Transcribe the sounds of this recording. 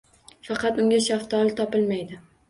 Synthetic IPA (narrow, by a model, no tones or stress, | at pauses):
fɑqʰɑt̪ʊŋɡʲaʃaχt̪ʰɒlˠt̪ʰɒpɪlmajd̪ɪ